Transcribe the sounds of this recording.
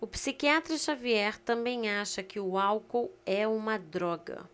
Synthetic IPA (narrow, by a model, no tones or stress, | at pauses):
ʊpsikiat̪ɾɐʃaviɛɾt̪ɐ̃mbẽj̃aʃɐkɪʊawkowɛũmɐd̪ɾɔɡɐ̰